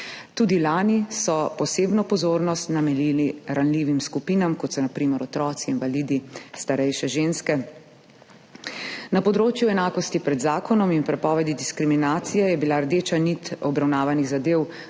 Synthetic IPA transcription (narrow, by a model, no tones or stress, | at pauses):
t̪uːd̪ilaːnisɔpɔseːbnɔpɔzoːɾnɔst̪namɛliliɾanliːʋimskupiːnamkɔt̪sɔnapɾiːmɛɾɔt̪ɾɔːt̪siːnʋaliːd̪ist̪aɾɛjʃɛʒeːnskɛ | napɔd̪ɾoːt͡ʃjuɛnaːkɔst̪ipɾɛd̪zaːkɔnɔminpɾɛpɔːʋɛd̪id̪iskɾiminaːt̪sijɛjɛbilaɾd̪eːt͡ʃanit̪ɔbɾawnaːʋaniɣzad̪eːw